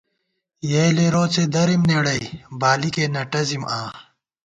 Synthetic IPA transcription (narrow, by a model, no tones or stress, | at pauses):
jeːleɾoːt͡sed̪ɐɾimneːɽɐjbaːlikeːnɐʈɐzimʔaː